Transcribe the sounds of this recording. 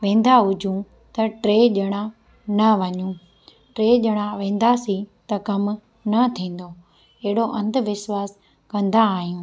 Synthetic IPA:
ʋẽːn̆d̪aɦʊd͡ʑʱũ | t̪ɐʈɾeːʄɐɽ̃ã | nɐʋɐɲũː | ʈɾeːʄɐɽ̃aʋẽːn̆d̪asit̪ɐkɐm | nɐt̪ʰĩːn̆d̪o | ɐɦɪɽoʔɐ̃nd̪ʋɪʃwaːs | kɐ̃nd̪aːɦijũː

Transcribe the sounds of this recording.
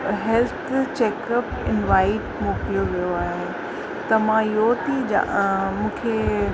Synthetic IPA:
ɦɛlt̪ʰt͡ɕeːkəpɪ̰nʋaːɪʈmoːklijoʋijoaːɦe | t̪ɐmãjoːt̪id͡ʑã̰mũːkʰe

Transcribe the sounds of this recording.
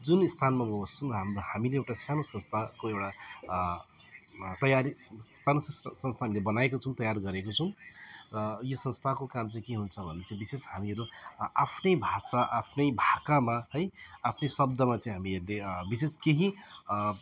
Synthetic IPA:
d͡zunist̪ʰanmaboost͡sʰʌ̃rʌɦamhamileewʈasanosʌnst̪ʰakoewʈa | t̪ʌjaɾisanosssʌ̃nst̪ʰaɦamilebʌnaekot͡sʰʌũt̪ʌjarɡʌɾekot͡sʰʌw̃rʌjosʌnst̪ʰakokamt͡saĩkeɦunt͡sʰʌbʱʌnet͡saĩbiseshamiʌɾuapʰnʌjbʱasaʔapʰnʌjbʱakamahʌjapʰnʌjsʌb̚d̪ʌmat͡saĩɦamieɾlebiseskeɦĩ

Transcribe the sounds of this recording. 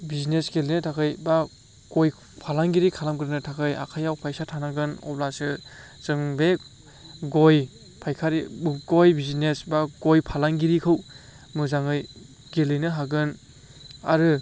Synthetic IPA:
bizinesɡelinɯtʰakʰɯjba | ɡ̥oj | pʰalaŋɡiɾikʰalamkɾɯnɯtʰakʰɯja̰kʰajawpʰajsatʰanaɡɯnɔ̰blasɯzɯŋbe | ɡoj | pʰajkʰaɾiɡojbizinesbaɡojpʰalaŋɡiɾikʰɯw | mɯzaŋɯj | ɡelɯjnɯɦaɡɯn | a̰ɾɯ

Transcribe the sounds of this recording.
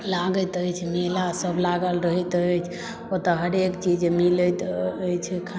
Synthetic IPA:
laɡət̪əjt͡ʃʰmelasəbʱlaɡəlɾəɦɛt̪əjt͡ʃʰ | ot̪əɦəɾekt͡ʃid͡ʒmilət̪əjt͡ʃʰɛkʰa

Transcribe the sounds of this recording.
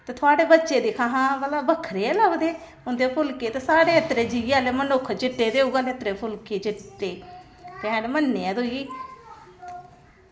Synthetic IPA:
t̪eːt̪ʰʊaːɽeːbətːʃeːd̪ekʰãːɦãːbəlaːbəkʰːɾeːləʋd̪eː | ʊnd̪eːpʰʊlkeːt̪eːsaːɽeːət̪ɾeːd͡ʒiaːleːmənʊkʰt͡ʃɪʈːeːd̪eːuɡaːleət̪ɾeːpʰʊlkeːt͡ʃɪeː | t̪eãːnemənːeãːd̪oːiː

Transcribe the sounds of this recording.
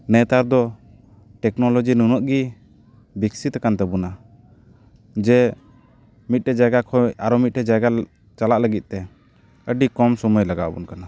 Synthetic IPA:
nɛt̪aɾd̪ɔ | ʈɛknɔlɔd͡ʒinunɔʔɡi | biksit̪kant̪ɛbuna | d͡ʒɛ | mit̪̚ʈɛd͡ʒaɡakʰɔjaɾɔmit̪̚ʈɛd͡ʒaɡa | t͡ʃalaʔləɡit̪̚t̪ɛ | əɖikɔmsɔmujlaɡa̰ʔbṵnkana

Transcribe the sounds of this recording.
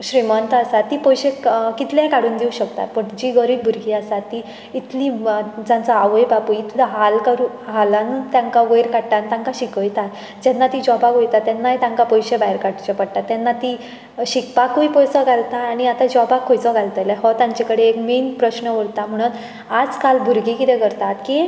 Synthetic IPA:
ɕɾimənt̪əasat̪ːiːpɔjɕekit̪lakaɽuːnd̪euɕəkt̪a̰t̪̚pəɳd͡ʑiːɡəɾiːbbʱuɾɡiːasatt̪ːi | it̪lid͡zant͡saaʋəjbapuit̪laɦalkaɾu | ɦalant̪jãŋkaʋəjɾkaɽʈ̪ant̪ãŋkaɕikəjt̪at̪ | d͡ʑɛnːat̪iːd͡ʑɔbakojt̪at̪ːjanːajt̪ãŋkapɔjɕebajɾkaʈt͡ɕɔpəɽt̪at̪ːjanːat̪iː | ɕikpakːujpɔjt͡səɡʱalt̪aːɽ̃iat̪ad͡ʑɔbakʰːɔjt͡sɔɡʱalt̪əlɛɦɔt̪ãɲt͡ɕekəɽeekmenpɾəɕnəʋəɽt̪am̤əɽ̃un | ad͡zkalbʱuɾɡikit̪ɛkəɾt̪at̪ki

